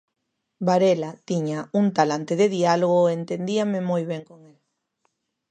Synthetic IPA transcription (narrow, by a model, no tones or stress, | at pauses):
baɾelat̪iɲauŋt̪alant̪eðeðialoɣoent̪end̪iamɪmojβ̞eŋkoŋel